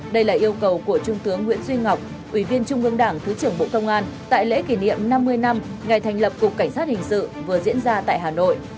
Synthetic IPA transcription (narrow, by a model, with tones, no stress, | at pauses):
ɗə˧jlaː˨˩ʔi˧əwkə˨˩wku˧˩ət͡ɕʊ˧ŋ͡mt̪ɨ˨˦əŋːwḭ˧˥ənzwi˧ŋa˨˩wk͡p̚ | ʔwi˧˩vi˧ənt͡ɕʊ˧ŋ͡mʔɨ˧əŋɗaː˧˩ŋt̪ʰɨ˨˦t͡ɕɨ˧˩əŋɓo̰˧˨kə˧wŋ͡mʔaː˧nt̪a̰ː˧˨jlḛ˧˥ki˧˩nḭ˧˨əmna˧mːɨ˧əjna˧mŋa˨˩jt̪ʰjŋ̟lə˨˩p̚kʊ˨˩k͡p̚ka˧˩ŋ̟saː˦˥t̚hï˨˩ŋ̟sɨ̰˧˨vɨ˨˩əzḭ˧˥ənzaː˧t̪a̰ː˧˨jɦaː˨˩no̰˧˨jʔ